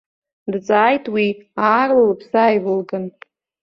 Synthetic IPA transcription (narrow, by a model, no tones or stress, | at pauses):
dt͡sʼaːjtʰʼwiaːrlalpʰsaːjvɨlɡɨn